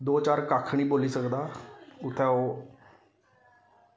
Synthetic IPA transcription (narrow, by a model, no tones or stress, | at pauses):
d̪oːt͡ʃaːɾkaːkʰɳiːboːliːsəkd̪aːʊt̪ʰːɛ̃ːoː